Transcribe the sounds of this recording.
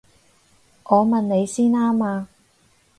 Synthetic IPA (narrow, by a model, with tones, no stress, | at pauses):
ŋɔː˨˧mɐ˨nne˨˧jsiː˥naː˥maː˧